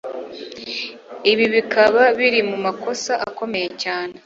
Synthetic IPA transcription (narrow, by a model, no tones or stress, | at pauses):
iβiβikʰaβaβiɾimumako̞saʔaːko̞meje̞caːne̞